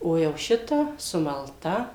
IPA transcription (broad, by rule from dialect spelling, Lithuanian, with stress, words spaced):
ˈoː jɛʊ ˈʃʲɪtɐ sʊmɐlˠˈtɐ